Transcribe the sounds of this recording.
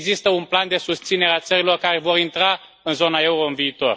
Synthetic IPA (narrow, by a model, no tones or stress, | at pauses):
ɡzist̪əunpland̪e̞sust̪sine̞ɾeat̪səɾilo̞rkaɾe̞vo̞ɾint̪ɾa | ɨnzo̞nae̞uɾo̞ɨnviːt̪o̞̰r